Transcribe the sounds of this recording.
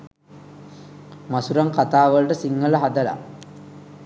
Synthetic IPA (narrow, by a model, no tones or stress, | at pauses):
masuɾaŋkat̪aːʋəlʈəsiŋːələɦad̪əla̰